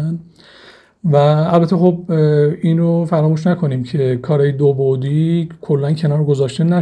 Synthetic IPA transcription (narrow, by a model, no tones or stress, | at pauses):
n | væːlbæt̪ʰːexob̚iːnɾofæɾɒːmuːʃnækʰo̞niːmcʰe̞kʰɒːɾɒːjed̪obod̪ikʰolːæncʰe̞nɒːɾɡozɒːʃt̪enæ